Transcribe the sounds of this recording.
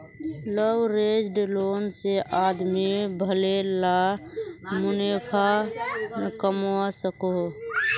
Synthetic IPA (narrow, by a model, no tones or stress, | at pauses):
ləwɾed͡ʒɖloːnseʔad̪mibʱəlela | mʊnepʰa | kəmoasəko